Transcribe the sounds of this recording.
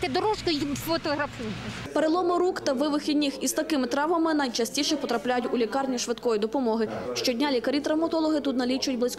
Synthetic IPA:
t̪ɛd̪ɔɾɔʃkɔjfɔt̪ɔɦɾɐfu | peɾelˠɔmɔɾukt̪ɐʋɪʋɪxʲidʲnʲɪxist̪ɐkɪmɪt̪ɾɑʋɐmɪnɐjt͡ʃɐsʲtʲiʃɛpɔt̪ɾɐplʲajʊtʲulʲikɑrnʲiʃʋɪd̪kɔjid̪ɔpɔmɔɦɪʃt͡ʃɔdʲnʲalʲikɐɾʲit̪ɾɐwmɐt̪ɔlˠɔɦɪt̪ut̪nɐlʲit͡ʃʊdʲblˠɪsʲk

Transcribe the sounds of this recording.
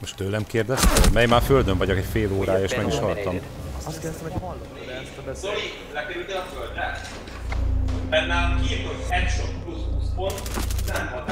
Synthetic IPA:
moʃt̪ːøːlːɛmkeːrd̪ɛst̪ɛmɛjmaːrføld̪øɱvɒɟokɛcfeːloːɾaːjeːʃmɛɡiʃhɒlt̪ɒm | ɒst̪kɛrd̪ɛst̪ɛmɛhɒlːɔɾɛɛst̪ɛbɛsoli | lɛkɛɾyld̪ɛɒføld̪ɛ | pɛnːaːlokeːotɛtʃoɾukuzbusbont̪nmɦɒd̪

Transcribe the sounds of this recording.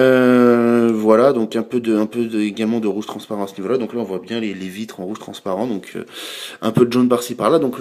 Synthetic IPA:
ø | vwalad̪ɔ̃kɛ̃pød̪əɛ̃pød̪eɡalmɑ̃d̪əʁuʒt̪χɑ̃spaʁɑ̃t̪asənivolad̪ɔ̃klaɔ̃vwabjɛ̃lelevit̪χɑ̃ʁuʒt̪χɑ̰̃spaʁɑ̃d̪ɔ̃kʰø̰ɛ̰̃pød̪əʒɔ̃nbpaʁsipaʁlad̪ɔ̃k

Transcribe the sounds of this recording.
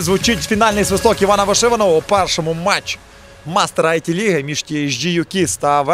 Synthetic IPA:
zʋʊt͡ʃɪtʲfʲinɑlʲnɪjsʋɪslˠɔkɪʋɑnɐʋɐʂɪʋɐnɔʋpɛrʂɔmʊmat͡ʃː | mast̪eɾɐɐjtʲilʲiɦɐmʲiʃtʲiʒd͡ʒijʊkʲist̪ɑʋ

